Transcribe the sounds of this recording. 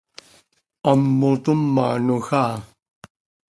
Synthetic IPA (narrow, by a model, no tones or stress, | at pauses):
amːot̪umːa̰ːnuxaː